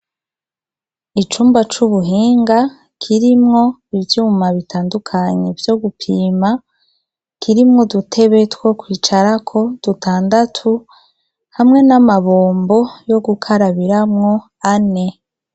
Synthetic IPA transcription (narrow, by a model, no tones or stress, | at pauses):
it͡ʃuːmbat͡ʃuβuɦiːŋɡa | kʰiɾimŋo̞ivjuːmaβitʰaːndukʰaɲe̞vjo̞ɡupʰiːma | kʰiɾimŋo̞dutʰe̞βe̞two̞kwiːt͡ʃaɾakʰo̞d̥utʰaːndatʰu | hamŋe̞namaβoːmbo̞jo̞ɡukʰaɾaβiɾamŋo̞ | ane̞